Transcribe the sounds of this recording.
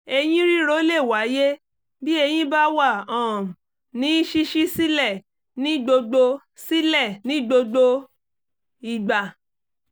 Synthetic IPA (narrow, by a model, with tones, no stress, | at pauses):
e˧j̃ĩ˦ɾi˦ɾo˦le˦˨wa˨˦je˦ | bi˦e˧j̃ĩ˦ba˦wa˦˨ɔ̃˨m̩˨ | nĩ˦i˦ʃi˦ʃi˦si˦lɛ˦˨ | nĩ˨˦ɡ͡bo˧ɡ͡bo˧ | si˦lɛ˦˨nĩ˨˦ɡ͡bo˧ɡ͡bo˧ | i˨ɡ͡ba˨